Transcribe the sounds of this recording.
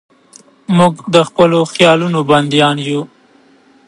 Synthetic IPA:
muɡd̪əxpəloxjɑlunoband̪jɑnju

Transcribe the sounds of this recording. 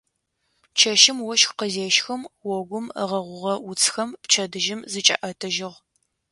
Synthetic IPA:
t͡ʃʰɐʃɪmwɔʃxqəzeːʃxɐmwɔɡʷʊmə̰ʁɐʁʷʊʁɐʊt͡sʰʼxɐmpt͡ʃʰɐdɨʒɪmzɨt͡ʃʼɐ̰ʔɐtʰɐʒɪʁ

